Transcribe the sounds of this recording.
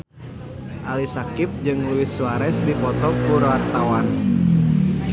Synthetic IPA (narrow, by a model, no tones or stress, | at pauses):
ʔalisakɪp̚d͡ʒɨŋluɪsuaɾɛsdipɔt̪ɔkuɾwart̪awan